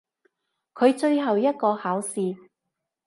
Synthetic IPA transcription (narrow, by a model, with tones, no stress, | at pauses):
kʰɵ˨˧ɥt͡ʃɵ˧ɥɦɐ˨wjɐ˥t̚kɔː˧haː˨˥wsiː˨